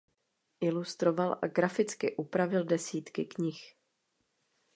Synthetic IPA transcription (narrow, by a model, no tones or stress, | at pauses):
ʔɪlust̪ɾo̞valʔa̰ɡɾafɪt͡skɪʔupɾavɪldɛsiːt̪kɪkɲɪx